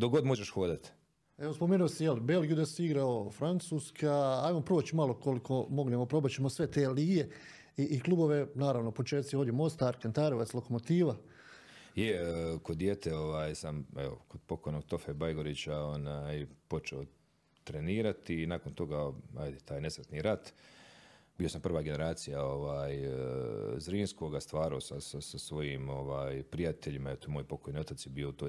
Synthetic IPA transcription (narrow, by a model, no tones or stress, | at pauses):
d̪oɡo̞d̪moʒeʃxoːd̪at̪ | eʋospomeːnuosijelibe̞lɡijud̪asiɡɾaofɾant̪suːskʰaaːjmopɾoːt͡ɕimalo̞ko̞likʰo̞mo̞ɡlemopɾo̞bat͡ɕemosʋe̞t̪eːliːje̞ | iʔiklˠubo̞ʋe̞naːɾaʋnopo̞t͡ʃeːt̪sioːd̪jemo̞st̪aɾkant̪aɾoʋat̪slˠo̞ko̞mo̞t̪iːʋa | jekod̪ːjeːt̪eoʋaːjsameo̰kod̪̚po̞ko̞jno̞ɡ̚t̪o̞febajɡoɾit͡ɕao̞naːjpo̞t͡ʃeo | t̪ɾe̞niːɾat̪iːnaːko̞nt̪o̞ɡaajd̪et̪ʰaːjne̞sʋɾt̪niːɾat̪ | biːo̞sampr̩ʋaːɡene̞ɾaːt̪sijao̞ʋaːj | zɾiːnsko̞ːɡast̪ʋaːɾiosasasasʋo̞jiːmo̞ʋaːjpɾijat̪e̞ʎimaeot̪oemoːjpo̞kojnio̞t̪at̪sjebiːout̪o